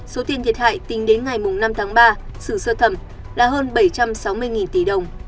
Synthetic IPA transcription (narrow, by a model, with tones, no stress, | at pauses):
so˨˦t̪i˧ənt̪ʰi˨˩ət̚ha̰ː˧˨jt̪ï˨˦ŋ̟ɗe˨˦nŋa˨˩jmʊ˨˩ŋ͡mna˧mt̪ʰaː˨˦ŋɓaː˧sɨ˧˩səː˧t̪ʰə˧˩m | laː˨˩ɦəː˧nɓə˧˩jt͡ɕa˧msa˨˦wmɨ˧əjŋi˨˩nt̪i˧˩ɗə˨˩wŋ͡m